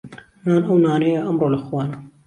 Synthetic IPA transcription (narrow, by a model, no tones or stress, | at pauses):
naːnʔɐwnaːnejɐʔɐmɾoːlɐxwɑːnɐ